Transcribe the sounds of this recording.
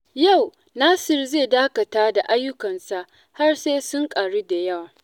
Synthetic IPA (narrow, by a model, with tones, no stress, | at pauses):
ja˦˨w | naː˦sɪ˦˨rzeː˦˨daː˦kɐ˨taː˦da˨ʔa˦jːʊ˦kɐ˨nsa˨ʔ | ha˦rseː˦sʊ˦ŋkʼaː˨ɽi˦da˨jɐ˦waː˨